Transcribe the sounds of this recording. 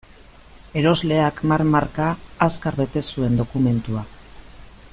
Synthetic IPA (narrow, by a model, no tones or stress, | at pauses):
e̞ɾo̞zle̞akmaɾmaɾkaːskaɾβe̞t̪e̞sue̞nd̪o̞kume̞nt̪ua